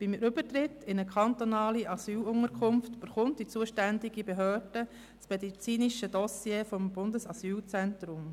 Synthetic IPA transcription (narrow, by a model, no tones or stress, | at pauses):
b̥imʔʏb̥ətɾɪtʰːɪnəkʰɑnt̪onɑːliʔɑsyːlʊŋəɾkʰʊmftb̥əɾχʊntd̥it͡suəʃtændiɡibeɦøːrd̥ə | t͡smɛdit͡siːniʃədɔsjeːfɔmb̥ʊndəsɑsyːlt͡sɛntrʊm